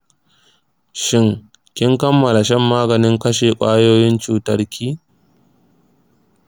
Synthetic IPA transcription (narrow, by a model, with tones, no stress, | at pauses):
ʃɪ˦ŋ | kʲɪ˦ŋkɐ˦mːɐ˨la˨ʃɛ˦mːaː˦ɡɐ˨nɪ˦ŋkɐ˦ʃeː˨kʷʼaː˦joː˦jɪ˦nt͡ʃuː˨tɐ˨rkʲʰiː˦